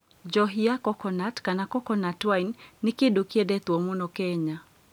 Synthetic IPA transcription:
d͡ʒɔɦiakɔkɔnatkanakɔkɔnatwainːɪkɪdukedet̪womonɔkeɲa

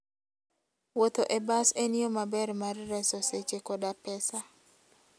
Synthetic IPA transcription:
wot̪oʔebaseniomabɛɾmarːɛsɔset͡ʃekɔdapɛsa

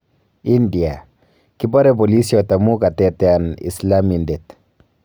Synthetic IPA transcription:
india | kibɔɾɛbolisjɔtamukatɛtɛanḭslamindet

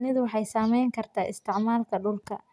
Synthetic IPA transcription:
nɪðwɑħɑjsaːmɛjŋkʰɐrt̪ʰaːʔɪst̪ʰɪʕmaːlkʰɐɖʊlkʰɐ̰

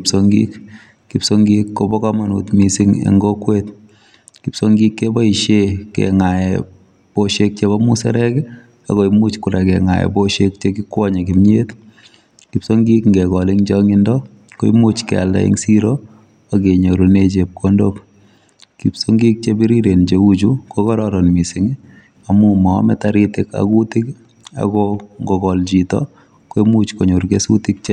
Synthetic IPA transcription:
psoŋɡḭk | kipsoŋɡikːobɔkamanṵt̪misiŋḛŋɡokwet̪ | kipsoŋɡikːebɔiʃekɛ̰ŋajɛ | boʃek̚t͡ʃebɔmusɛ̰ɾɛkɛ | akoimut͡ʃkʊɾakɛ̰ŋa̰jɛ̰boʃek̚t͡ʃekikɔɲakimɲet̪ | kipsoŋɡikŋɡɛkɔliŋd͡ʒɔŋindɔ | koḭmut͡ʃkɛ̰a̰la̰ɪ̰ŋsiɾo | aɡeɲoɾuned͡ʒep̚kʰondok | kipsoŋɡik̚t͡ʃebiɾiɾend͡ʒeud͡ʒukokɔɾɔɾɔnmisɪŋ | amumɔ̰mɛtaɾitɪka̰kutɪk | a̰ɡɔŋɡɔkɔld͡ʒitɔ̰ | koimut͡ʃkoɲoɾɡesutɪk̚t͡ʃe

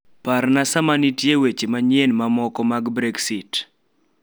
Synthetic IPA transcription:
paɾnasamanitjewet͡ʃemaɲjenmamɔkɔmaɡbɾeksit

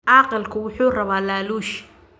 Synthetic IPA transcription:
ʔɑːqɪlkʰʊwʊħuːrɐβaːlaːluːʃ

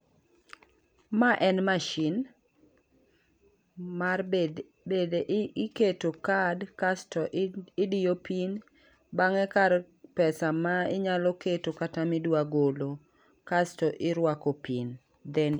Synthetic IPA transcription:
maʔɛnmaʃin | mar | bedeʔɪketokadkastɔʔɪdijopʰin | baŋɛkaɾ | pɛsamaɪɲalɔketokatamidwaɡolo | kastɔʔɪɾwakɔpin | d̪ɛn

